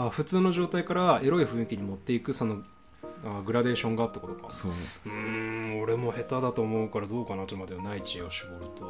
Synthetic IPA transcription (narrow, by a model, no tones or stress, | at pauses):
aɸɯ̟t͡sɨːno̞ʑo̞ːt̪aikaɾae̞ɾo̞iɸɯ̟̃ɰ̃ikʲiɲ̟imo̞t̪ːe̞ikɯ̟so̞no̞ | aɡɯ̟ɾad̪e̞ːɕõ̞ŋɡaːt̪ːako̞t̪oka̰oɯ̟̃o̞ɾe̞mo̞he̞t̪ad̪at̪o̞ːmo̞ɯ̟kaɾad̪o̞ːkanat̪omad̪enait͡ɕioɕibo̞ɾɯ̟t̪o̞